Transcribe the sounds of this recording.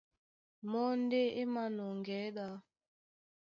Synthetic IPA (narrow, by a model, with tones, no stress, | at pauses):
mɔ˦n̩˦de˦ɪ˦ma˦nʊ˨ŋ˨ɡɛ˨˦da˦